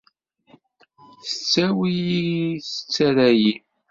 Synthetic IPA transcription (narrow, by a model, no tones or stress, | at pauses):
θə̥t͡sːæwijiθə̥t͡sːæɾæji